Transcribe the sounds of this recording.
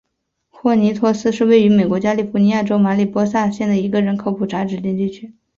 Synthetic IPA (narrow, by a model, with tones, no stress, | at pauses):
xwɔ˥˩ni˧˥t̪ʰwɔ˥˧sɹ̩˥ʂɻ̩˥˧we˥˩ɪy˧˥me˨˩ɪkwɔ˧˥t͡ɕja˥li˨˩fu˧˥ni˧˥ja˥˩ʈ͡ʂo˥ʊma˧˥li˨˩pwɔ˥sa˥˧ɕjɛ˥˩nd̪ə˩i˧˥ɡə˧ɻə˧˥nkʰo˥ʊpʰu˨˩ʈ͡ʂʰa˧˥ʈ͡ʂɻ̩˨˩t͡ɕ̪jɛ˥˧nt͡ɕi˥˩t͡ɕʰy˥